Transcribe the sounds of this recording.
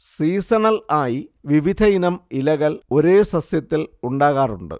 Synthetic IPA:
siːsɐɳɐlaːjiʋiʋid̪ʰʱɐjinɐmilɐɣɐlo̞ɾeːsɐsjɐt̪ːiluɳɖaːɣaːruɳɖɨ̰

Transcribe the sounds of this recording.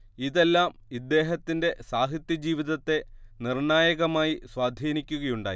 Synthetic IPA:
iðe̞lːaːmid̪ːe̞ːɦɐt̪ːinde̞saːɦ̪jit̪jɐd͡ʑiːʋiðɐt̪ːe̞nirɳaːjɐɣɐmaːjiswaːd̪ʱiːnikʲːuɣɐjuɳɖa̰ːji

